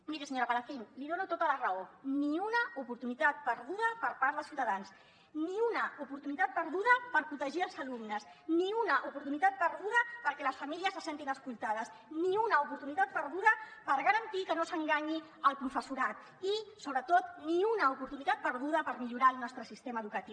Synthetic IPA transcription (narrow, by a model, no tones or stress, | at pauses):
miɾəsəɲoɾəβalafinliðonut̪ot̪ələrəoniunəupuɾt̪unit̪at̪̚pəɾðuðəpəɾpaɾðəsiwt̪əðans | niunəupuɾt̪unit̪at̪̚pəɾðuðəpəɾpɾut̪əʒiəlˠzəlumnəsniunəʔupuɾt̪unit̪at̪̚pəɾðuðəpəɾkɛləsfəmiliəsːəsent̪inəskulˠt̪að̞əs | niunəupuɾt̪unit̪at̪̚pəɾðuðəpəɾɣəɾənt̪ikənosəŋɡaɲi | əlˠpɾufəsuɾat̪ | isoβɾət̪ot̪niunəupuɾt̪unit̪at̪̚pəɾðuðəpəɾmiʎuɾaəlˠnɔst̪ɾəsist̪eməðukət̪iw